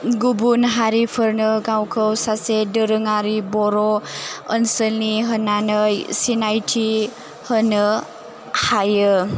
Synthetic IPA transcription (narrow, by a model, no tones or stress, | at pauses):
ɡubunɦaɾipʰəɾnɯɡawkʰəwsasedəɾɯŋaɾibɔɾɔənsəlniɦənːanəjsinajtʰi | hənɯ | hajɯ